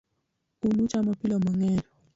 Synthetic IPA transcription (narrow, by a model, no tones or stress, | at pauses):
unut͡ʃamapilɔmaŋɛlɔ